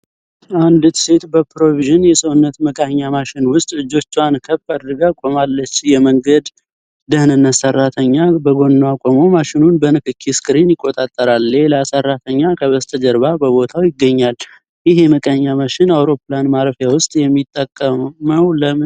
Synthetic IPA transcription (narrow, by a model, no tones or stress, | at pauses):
ʔand̪t̪ʰɨ̥set̪bəpɾo̞viʒɪnjɛsəwnːət̪məkʼaɲːamaʃɪnwʊst̪ʼɨd͡ʒo̞t͡ʃːankʰəbaɾd̪ɨɡakʼo̞malːət͡ʃːɪjɛməŋɡəd̪ | d̪əhnɨnːət̪sərːat̪ʰəɲːabəɡo̞nːakʼomo̞maʃɪnunbənɨkɨkʰːiskɨɾinjɪkʼːo̞t̪ʼat̪ʼːəɾalːeləasərːat̪ʰəɲːakʰəβəst̪ʰəd͡ʒəɾβabəβo̞t̪ʰawjɪɡːəɲːal | jɪɦeməkʼaɲːamaʃɪnawɾo̞planmaɾəfjawʊst̪ʼjɛmːit̪ʼːəkʼːəməwlə